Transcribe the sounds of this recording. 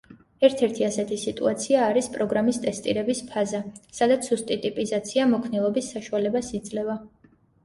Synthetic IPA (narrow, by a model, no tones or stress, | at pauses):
ɛɾt̪ʰɛɾt̪ʰiasɛt̪ʰisit̪ʼṵat̪sʰiaːɾispʼɾɔɡɾamist̪ʼɛst̪ʼḭɾɛbispʰazasad̪at̪sʰust̪ʼit̪ʼipʼizat̪sʰiamɔkʰnilˠɔbisːaʃualɛbasid̪zʼlɛva